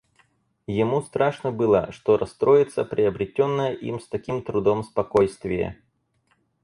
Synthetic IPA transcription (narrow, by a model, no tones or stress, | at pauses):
jɪmust̪ɾaʂnəbɨlˠə̰ʂt̪oɾɐst̪ɾo̞jɪt̪səpɾʲɪɐbɾʲɪtʲonːəjəʔḭmst̪ɐkʲimt̪ɾʊd̪omspɐkojst̪vʲɪjə̰